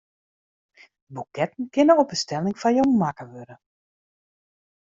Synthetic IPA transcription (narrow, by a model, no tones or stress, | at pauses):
əbukɛtən̩kɪnəɔpəstɛlɪŋfajomakəʋøɾə